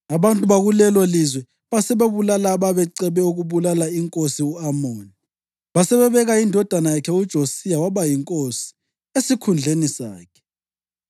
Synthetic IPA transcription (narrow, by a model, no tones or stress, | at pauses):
aβantʼuβaɣulɛlwalizwɛ | βasɛβeβulalaβaβɛǀɛβɛuɣuβulalaiŋkʼosiuamoːni | βasɛβɛβɛɣaindʱɔd̥ʱanajakʰɛud̥ʒ̥ʱosijawaβajiŋkʼosi̥ | esikʰund͡ɮʱenisa̰ːkʰɛ̥